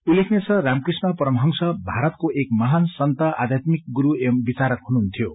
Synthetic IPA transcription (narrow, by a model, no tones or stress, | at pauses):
ulːekʰnet͡sʰʌramkrismʌpʌɾʌmɦʌŋsʌbʱaɾʌt̪koʔekmʌɦansʌnt̪ʌʔa̰d̪ʱjat̪mik̚ɡuɾuembit͡saɾʌk̪ɦunuɦnt̪ʰijo